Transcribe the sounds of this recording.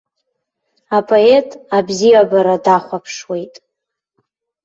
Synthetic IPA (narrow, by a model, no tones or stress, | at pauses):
apʰʼoe̞tʼabzijabaɾadaχʷapʰʂwe̞jtʼ